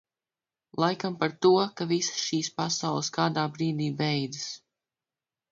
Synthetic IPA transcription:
lˠajkampaɾt̪uɔkavissʃiːspasawlˠəskaːd̪aːbɾiːd̪iːbɛjd̪ɨs

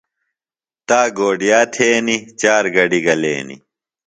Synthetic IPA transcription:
t̪aːɡoːɖijaːt̪ʰeːnit͡ɕaːɾɡɐɖiɡɐlḛːnḭ

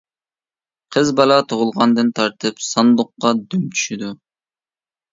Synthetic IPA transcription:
qʰəzbɑlˠɑt̪ʰoʁʊlˠʁɑnd̪ɨnt̪ʰɑɾt̪ʰɨpsɑnd̪ʊqːɑd̪ymt͡ʃ̪ʰy̥ʃyd̪u

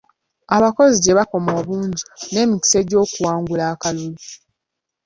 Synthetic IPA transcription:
aβako̞ziɟeβako̞mo̞ːβuːɲɟine̞ːmiki̥se̞ɟo̞ːkuwaːŋɡulaːkalulu

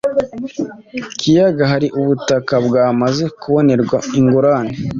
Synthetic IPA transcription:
kʰijaɡaɦaɾiʔuβutakabɡaːmaze̞kuβo̞ne̞ɾɡwaiŋɡoɾane

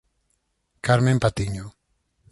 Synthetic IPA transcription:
kaɾmẽmpat̪iɲo

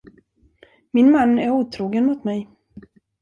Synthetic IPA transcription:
mɪnmanːæɾuːt̪ʰɾuːɡənmʊt̪mɛj

